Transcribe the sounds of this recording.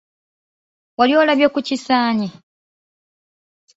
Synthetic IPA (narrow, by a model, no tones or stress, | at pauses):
walioːlaβjokucisaːɲi